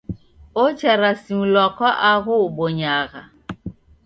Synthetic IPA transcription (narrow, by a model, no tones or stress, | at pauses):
ot͡ʃɛɾasiulɔkɔʔaɣuɓoɲaɣa̰